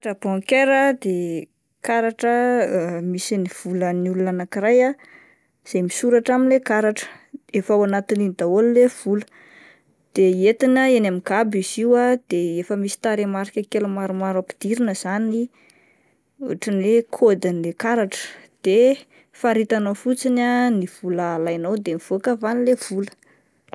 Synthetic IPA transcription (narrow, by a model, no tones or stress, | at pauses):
aʈ͡ʂəbɔŋkeɾəd̪e | kaɾaʈ͡ʂə | misiniv̥uləniulunanakiɾaja | z̥ejmisuɾaʈ͡ʂaminlekaɾaʈ͡ʂə̥efawanat̪inind̪aollev̥ulə̥ | d̪̥eet̪inəenamiɡabiziwad̪̥eefəmisi̥t̪aɾemaɾikʲəkelumaɾumaɾapi̥d̪̥iɾinəz̥ani | ṵʈ͡ʂənekʰod̪anilekaɾaʈ͡ʂə̥d̪̥e | faɾit̪anofut͡sinaniv̥uləlajnawd̪emiv̥uakavanilev̥ulə